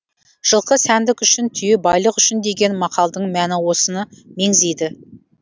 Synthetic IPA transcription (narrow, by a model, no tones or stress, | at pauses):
ʒ̥əlˠqəsænd̪ɪkʲʏʃɪnt̪ʰʏjɪbɑjlˠəqʏʃɪnd̪e̞ɡʲe̞nmɑqʰɑlˠd̪əɴmænɪwo̞sənɑme̞ŋzejd̪ɪ